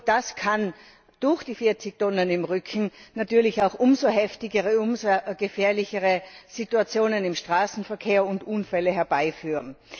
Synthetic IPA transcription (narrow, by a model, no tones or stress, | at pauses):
d̥askʰan | d̥ʊɐxd̥iːfiɐt͡sɪçtɔnənɪmʁʏkʰn̩natyːɐlɪçaʊxʔʊmzoɦɛftɪɡəʁəʊmzoɡ̥əfɛːɐlɪçəʁəz̥ituat͡sjoːnənɪmʃtʁ̥aːsn̩fɛɐkʰeːɐʊndʔuːnfɛləɦɛɐbaɪfyːʁən